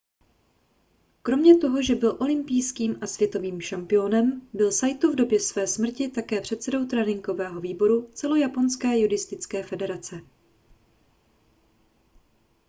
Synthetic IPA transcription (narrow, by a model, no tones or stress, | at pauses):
kɾo̞mɲɛt̪o̞ɦo̞ʒɛbɪlʔo̞lɪmpijskiːmasvjɛt̪o̞viːmʃampɪjo̞nɛmbɪlsajt̪uvdo̞bjɛsvɛːsmr̩cɪt̪akɛːpr̝̥ɛt̪sɛdo̞wt̪ɾɛnɪŋɡo̞vɛːɦo̞viːbo̞ɾut͡sɛlo̞japo̞nskɛːjuɾɪst̪ɪt͡skɛːfɛdɛɾat͡sɛ